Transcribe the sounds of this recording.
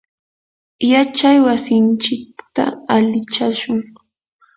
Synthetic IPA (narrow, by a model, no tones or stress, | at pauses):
jat͡ʃajwasɪnt͡ʃɪk̚t̪a̰alɪt͡ʃaʃʊŋ